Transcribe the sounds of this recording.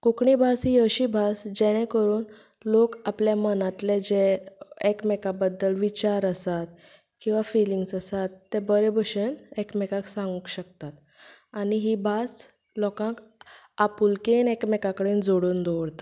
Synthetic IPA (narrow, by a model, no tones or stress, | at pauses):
kukɳibʱasijəɕiːbʱasd͡ʑɛɽ̃ɛ̃kəɾuːn | lokapljamənat̪lɛd͡ʑeekmɛkabəd̪ːəlʋit͡ɕaɾəsat̪̚ | kĩw̃ʋafiliŋɡsəsat̪ːɛbəɾɛbʱəɕənekmɛkãksãŋɡukɕəkt̪at̪ | aɽ̃iɦiːbʱas | lɔkãk | apulkenekmɛkakəɽeːnd͡zoɽuːnd̪oʋɽt̪a